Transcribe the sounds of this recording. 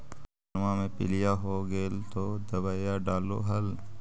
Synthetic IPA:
mãmẽpɪ̰lijaɦoːɡeːlt̪od̪ɐbaːjaɖaːlo̰ɦɐl

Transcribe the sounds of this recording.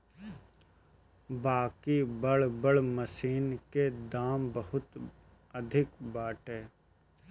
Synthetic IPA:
baːkibəɽbəɽməsiːnked̪aːmbəhʊt̪ | əd̪ʱɪkbaːʈɦeː

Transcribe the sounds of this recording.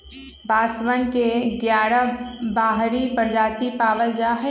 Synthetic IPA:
baːsʋənkeɡjaːɾabaːɦɾipəɾd͡ʒaːt̪ipaːʋəld͡ʒaɦ

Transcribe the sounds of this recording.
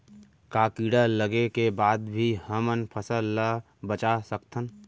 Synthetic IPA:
kaːkiːɽaləɡekebaːd̪bʱihəmənpʰəsəlːa | bət͡ʃasəkt̪ʰən

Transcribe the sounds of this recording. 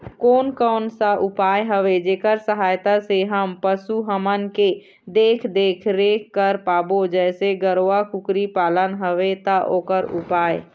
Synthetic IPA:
koːnkɔːnsaʔʊpaːjɦəʋed͡ʒeːkəɾsəɦaːjt̪aseɦəmpəsuɦəmənke | d̪eːkʰd̪eːkʰɾeːkkːəɾpaːbod͡ʒɛːseɡəɾoːakʊkɾipaːlənɦəʋet̪aʔoːkəɾʊ̰paːe

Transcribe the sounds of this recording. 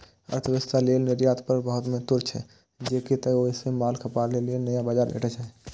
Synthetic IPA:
ə̰ɾt̪ʰəʋɪst̪aleːlnɪɾjaːt̪pəɾbəɦʊt̪mẽt̪ʊɾt͡ʃʰɛ̰ː | d͡ʒeːkit̪əoɪsemaːlkʰəpaːɾlelienəjãbaːd͡ʒaːɾḛːʈət͡ʃʰɦɛ

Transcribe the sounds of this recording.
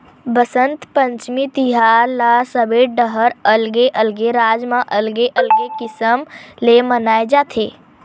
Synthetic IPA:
bəsənt̪pə̃ɲt͡ʃmit̪iɦalasəbeːʈ̚ɖəɦəɾəlɡeʔəlɡeɾaːd͡ʒmãʔəlɡeʔəlɡekɪsəmlemənaːed͡ʒaːt̪ʰeː

